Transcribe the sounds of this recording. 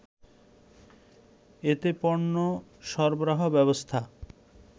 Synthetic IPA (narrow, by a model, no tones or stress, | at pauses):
et̪epɔɾoʃɔɾboɾaɦobɛβost̪ʰa